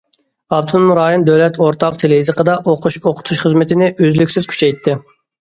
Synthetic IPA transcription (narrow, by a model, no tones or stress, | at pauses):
ɑbt̪ʰɨnmɾɑːjond̪øwlɛt̪ʰoɾt̪ʰɑq̚t̪ʰeleizɨqʰəd̪ɑʔoqʰoqʰʊ̥t̪ʰuʃχəzmɪt̪ʰɪnɪʔøzlykʲsɪz̥kʲʰy̥t͡ʃʰɛjt̪ʰːɪ